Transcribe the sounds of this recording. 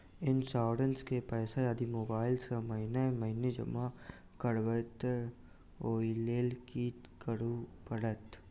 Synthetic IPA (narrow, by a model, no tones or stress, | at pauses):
ɪnsaːɖənskepɛːsajaːd̪imoːbaːɪlsamɐɦɪnemɐɦɪned͡ʒɐ̰ma | kəɽʋət̪ | oːileːlkiːt̪kəɽupəɽət̪